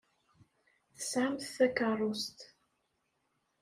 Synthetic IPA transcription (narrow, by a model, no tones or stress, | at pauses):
θə̥sʕamθθækɑrˤːʊst̪